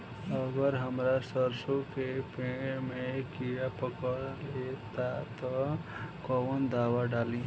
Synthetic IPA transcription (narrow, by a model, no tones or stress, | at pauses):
əɡəɾɦəmɾasəɾsokepemekijapəkəɾlet̪at̪ɔkɔwənd̪awaɖalĩ